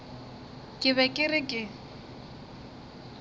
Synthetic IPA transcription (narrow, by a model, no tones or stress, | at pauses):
kʼɪβɛkʼɪrɪkʼɪ